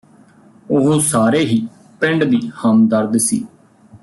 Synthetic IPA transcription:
ʊɦosaːɾeːɦiː | pɪɳɖd̪iːhəmd̪əɾd̪sḭː

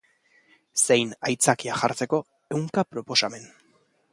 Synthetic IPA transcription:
se̞jnajt͡sakiaʝaɾt͡se̞ko̞ | e̞wŋkapɾo̞po̞same̞n

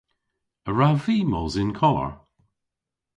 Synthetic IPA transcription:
əɹaviːmozɪnkʰɔlə̰ɹ

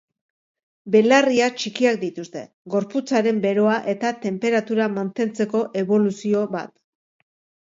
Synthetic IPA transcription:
be̞lariat͡ʃikiak̚d̪it̪ust̪e̞̰ | ɡo̞ɾput͡saɾe̞mbe̞ɾo̞aʔe̞t̪at̪e̞mpe̞ɾat̪uɾamant̪e̞nt͡se̞ko̞ʔe̞βo̞lusio̞βa̰t̪

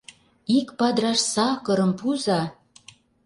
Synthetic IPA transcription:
ikpɑd̪rɑʃsɑkɤ̆ɾɤ̆mpuzɑ

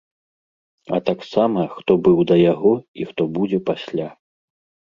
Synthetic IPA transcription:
ɐ̰t̪aksamɐxt̪ɔbɨwd̪ɐjaɣɔixt̪ɔbud͡zʲɛpasʲlʲa

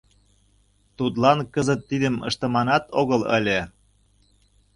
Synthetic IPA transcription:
t̪ut̪lɑnkəzət̪ːid̪ə̆mə̰̆ʃt̪ɤ̆mɑnɑt̪oɣɤlə̰lʲe

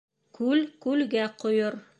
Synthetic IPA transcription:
kʉlkʉlɡæqŏjoɾ

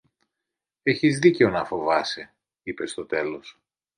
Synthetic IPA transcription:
e̞çizðice̞o̞nɐfo̞vɐse̞ | ipe̞st̪o̞t̪e̞lo̞s

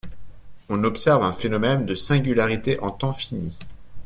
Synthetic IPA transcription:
ɔ̃nɔpsɛʁvɛ̃fenɔmɛnd̪əsɛ̃ɡʲylaʁit̪eʔɑ̃t̪ɑ̃fini

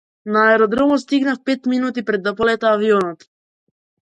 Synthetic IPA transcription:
naːɛɾɔd̪ɾɔmɔst̪iɡnafpɛt̪minut̪̬ipɾɛd̪ːapɔlɛt̪aːviɔnɔt̪

